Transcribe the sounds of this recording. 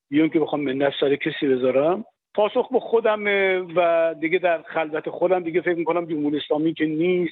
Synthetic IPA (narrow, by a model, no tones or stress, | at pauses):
bijɒŋkʰebexɒːmːendæfsæɾekʰesiːbezɒːɾæm | pʰɒːsoxbexod̪æmevæd̪iɡed̪æɾχælvæt̪ʰexod̪æmd̪iɡefekmikʰonæmd͡ʒomhuːɾieslɒːmikʰeniːst̪̚